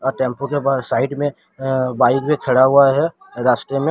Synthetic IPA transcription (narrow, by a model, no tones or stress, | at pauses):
ɔːɾʈẽːmpõkebaːd̪saːɪʈmẽ | baːɪkbʱikʰeɽaɦʊaɦɛ | ɾaːsʈɾemẽ